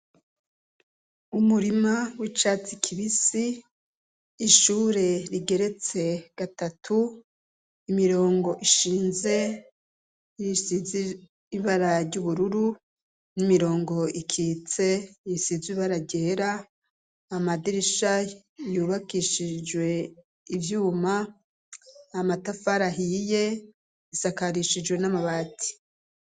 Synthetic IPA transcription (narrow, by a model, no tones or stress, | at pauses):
umuɾimawit͡ʃat͡sikʰiβisi | ʃuːɾe̞ɾiɡe̞ɾe̞t͡se̞ɡ̥atatʰu | imiɾo̞ːŋɡo̞ʔiʃiːnze̞ | jisiziː | βaɾaɾɟuːβuɾuɾu | nimiɾo̞ːŋɡo̞ikʰiːt͡se̞jisiziβaɾaɾɟe̞ːɾaː | madiɾiʃa | juːβakiʃid͡ʒwe̞ | ivjuːma | matafaɾaɦije̞ | isakaɾiʃid͡ʒwe̞namaβatʰi̥